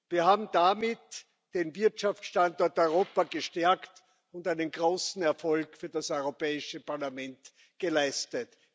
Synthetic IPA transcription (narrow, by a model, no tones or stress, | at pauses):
viːɐhaːbm̩damɪt | d̥envɪɐtʃaft͡sʃtantɔɐtɔʏʁ̞oːpaɡəʃtɛɐkt | ʊntæɪnənɡʁoːsn̩ɛɐfɔlkfyːɐdasɔʏʁopɛːɪʃəpaɐlamɛnt | ɡ̥əlaɪstət